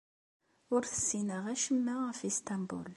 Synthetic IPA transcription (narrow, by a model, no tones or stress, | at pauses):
ʊɾθə̥sːinəʁæʃəmːæfist̪ɑmbṵl